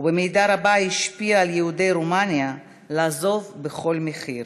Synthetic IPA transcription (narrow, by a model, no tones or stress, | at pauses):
ubemejdaɾabahiʃpiaːljehudejɾomanja | laːzo̞vbeχo̞lmeχiʁ